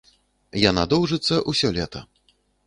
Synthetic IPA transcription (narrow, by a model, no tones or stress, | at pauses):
janad̪ɔwʐɨt̪sːɐʔusʲɔlʲɛt̪ɐ